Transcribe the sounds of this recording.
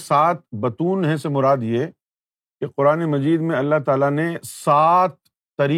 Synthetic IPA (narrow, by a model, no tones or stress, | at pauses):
saːt̪̚bɐt̪uːnɦɛ̃semʊɾaːd̪je | keqʊɾaːnemɐd͡ʒiːd̪mẽɐlːaɦt̪aːlanesaːt̪̚ː | ɐɾiː